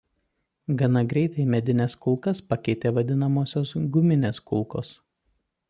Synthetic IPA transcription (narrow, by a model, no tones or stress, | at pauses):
ɡɐnɐɡɾʲɛɪt̪ɐɪmʲɛd̪ʲɪnʲɛskʊlˠkɐspɐkʲɛɪt̪ʲeːʋɐd̪ʲɪnɐmoːsʲoːsɡʊmʲɪnʲeːskʊlˠko̰ːs